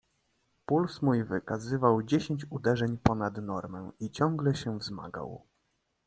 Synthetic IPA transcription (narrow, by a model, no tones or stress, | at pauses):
pulsmujvɘkazɘvawd͡ʑeɕeɲt͡ɕud̪ɛʐɛɲpɔnad̪nɔɾmɛ̃it͡ɕɔŋɡlɛɕɛvzma̰ɡa̰w